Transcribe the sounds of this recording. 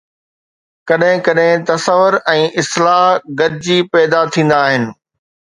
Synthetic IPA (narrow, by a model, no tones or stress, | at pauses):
kɐɗɦɪ̃kɐɗɦɪ̃t̪ɐsəʋːʊɾɛ̃ːʔɪslaːɦɡɐd̪ɪd͡ʑiːpɛːd̪at̪ʰĩːn̆d̪aːɦɪnɪ̆